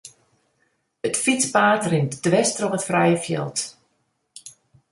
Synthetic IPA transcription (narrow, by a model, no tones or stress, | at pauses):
ətfit͡spaːtrɪntd̥ʋɛstrɔpətfrɛjəfjɛ̰lˠt